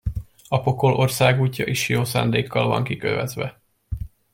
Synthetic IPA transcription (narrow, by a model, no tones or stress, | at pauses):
ɒpo̞ko̞lʔo̞rsaːɡuːcːɒʔiʃjoːsaːnd̪eːkʰːɒlvɒ̰ŋkikø̰vɛzʋɛ